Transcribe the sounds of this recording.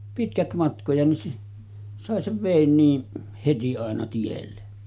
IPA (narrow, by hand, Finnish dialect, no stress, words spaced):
pitkæt mɑtkojɑ nin sɑˑe seʋ ʋeˑin niːn heti ɑˑenɑ tielːe